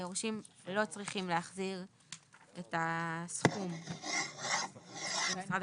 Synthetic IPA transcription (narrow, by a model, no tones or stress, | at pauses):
joʁʃimlo̞t͡sʁiχimleaχziʁ | etasχum | sʁad